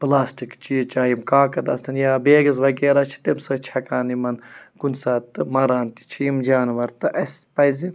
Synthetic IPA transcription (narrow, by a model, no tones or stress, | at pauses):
plaːsʈikt͡ʃiit͡ʃaːjimkaːkɐt̪ɐst̪ʰɐnjaːbeːɡɐzʋɐɡeːɾaːt͡ʃʰi̥t̪emsɐt͡ʃʰɐkaːnimɐnkunsaːt̪ɨmɐɾaːnt̪i̥t͡ʃʰiimd͡ʒaːnʋɐɾt̪ɨʔɐspɐjzi